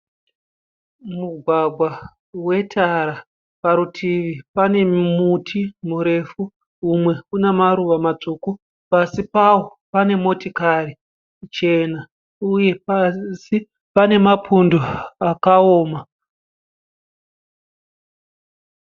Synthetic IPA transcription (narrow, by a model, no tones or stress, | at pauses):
muɡʱwaɡʱwa | we̞tʰaɾa | paɾutʰiʋipane̞mutʰimuɾe̞fu | umwe̞unemaɾuʋamat͡suku | pasipawo̞pane̞mo̞tikari | t͡ʃe̞na | uje̞psi | pane̞mapʰundoakao̞ːma